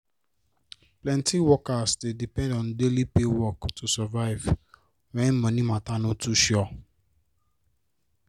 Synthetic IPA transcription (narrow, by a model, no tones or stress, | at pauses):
plɛ̃ntĩwɔkastedipɛ̃ndɔ̃ndelipewɔktusavaɪv | wɛ̃nmɔ̃nĩmãtanũtuʃɔ